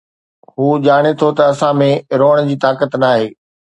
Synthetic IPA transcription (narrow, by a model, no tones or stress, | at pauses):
ɦuːʄaːɽ̃et̪ʰot̪ɐːsãmẽɾoːəɽ̃d͡ʑiːt̪aːkət̪naːɦeː